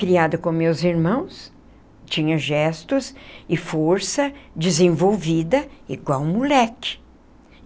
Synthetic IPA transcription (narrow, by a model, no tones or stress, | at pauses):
kɾiad̪ɐkõmewziɾmɐ̃w̃s | t͡ʃĩɲɐʒɛst̪ʊsɪfoɾsɐd͡ʒɪzẽvowvid̪ɐḭɡwawmulɛkɪ̥